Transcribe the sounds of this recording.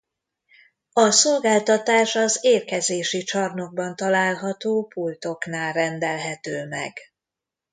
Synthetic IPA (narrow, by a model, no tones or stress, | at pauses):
ɒso̞lɡaːlt̪ɒt̪aːʃɒzeːrkɛzeːʃit͡ʃɒrno̞ɡ̚bɒnt̪ɒlaːlɦɒt̪oːpult̪o̞knaːlrɛnd̪ɛlɦɛt̪øːmɛ̰ɡ̥